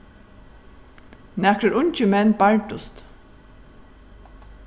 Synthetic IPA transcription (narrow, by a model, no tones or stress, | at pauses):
nækɾəɾʊɲt͡ʃɪmɛnːbaɹʈʊst̪